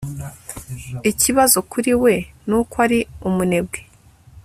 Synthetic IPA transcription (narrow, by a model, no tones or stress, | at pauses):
iciβazo̞kʰuɾiwe̞nukwaɾiumune̞bɡe